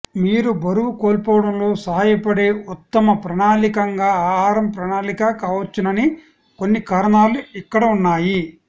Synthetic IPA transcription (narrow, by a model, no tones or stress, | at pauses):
miːɾubɐɾuʋukoːlpɔːɽɐmlo̞ːsɐɦaːjɐpɐɽe̞ːut̪ːɐmɐpɾɐɳaːlikɐŋɡaːɦaːɾɐmpɾɐnaːlikakaːʋɐt͡ʃːinɐni | ko̞nːikaːɾɐɳaːluikːɐɽɐunːaːji